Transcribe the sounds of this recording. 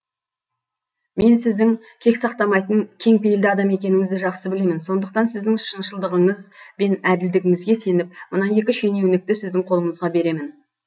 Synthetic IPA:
me̞nsɪzd̪ɪŋ | kʲʰe̞ksɑq̚t̪ɑmɑjt̪əŋkʲʰe̞ŋpejld̪ɪɑd̪ɑme̞kʲe̞nɪŋɪzd̪ɪʒɑqsəbɪle̞mɪnso̞nd̪əq̚t̪ɑnsɪzd̪ɪŋʃənʃəlˠd̪əʁəɴəzbe̞næd̪ɪld̪ɪɡʲɪŋɪzɡʲe̞se̞nɪp̚mənɑje̞kʲɪʃe̞ne̞wɪnɪk̚t̪ɪsɪzd̪ɪŋqʰo̞lˠəɴəzʁɑbe̞ɾe̞mɪn

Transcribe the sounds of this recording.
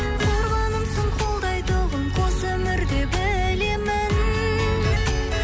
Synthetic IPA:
qʰo̞ɾʁɑnəmsəɴqʰo̞lˠd̪ɑjt̪əʁəɴqʰosɵmɪɾd̪e̞bɪ | le̞mɪn

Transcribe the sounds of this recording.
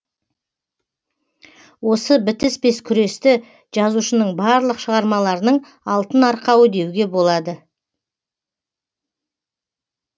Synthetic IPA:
wo̞səbɪt̪ɪsbe̞skʲʰʏɾe̞st̪ɪ | ʒɑzuʃənəɴbɑɾlˠəqʃəʁɑɾmɑlˠɑɾənəɴ | ɑlˠt̪ənɑɾqɑwəd̪e̞wɡʲe̞bo̞lˠɑd̪ə

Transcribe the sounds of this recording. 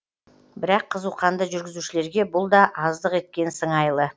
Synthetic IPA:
bɪɾɑqʰːəzuqɑnd̪əʒʏɾɡʲɪzuʃɪle̞ɾɡʲe̞bʊlˠd̪ɑʔɑzd̪əqe̞t̪̚kʲe̞nsəŋɑjlˠə

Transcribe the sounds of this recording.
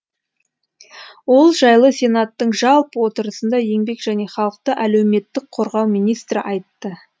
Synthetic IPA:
wo̞lˠʒɑjlˠəsʲe̞nat̪ːəɴʒɑlˠpwo̞t̪əɾəsənd̪ɑje̞ŋbe̞kʒæne̞χɑlˠəq̚t̪əʔælewme̞t̪ːɪk̚qʰo̞ɾʁɑwmijnijst̪ɾɪ̰ʔɑjt̪ːə

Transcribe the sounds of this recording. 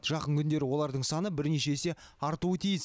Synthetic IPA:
t̪ʒ̥ɑqəɴkʲʰʏnd̪e̞ɾɪwo̞lˠɑɾd̪əɴsɑnəbɪɾneʃe̞se̞ɑɾt̪uət̪ʰijɪs

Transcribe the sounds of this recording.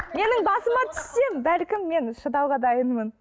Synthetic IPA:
me̞nɪŋbɑsəmɑt̪ʰʏ̥sːe̞mbælkʲɪmːe̞nʃəd̪ɑwʁɑd̪ɑjənmən

